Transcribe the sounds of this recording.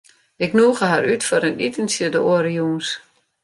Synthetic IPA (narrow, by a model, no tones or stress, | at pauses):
ɪknuːɣəhaɾytfɔɾənitənsjədəʔoɾəjuːns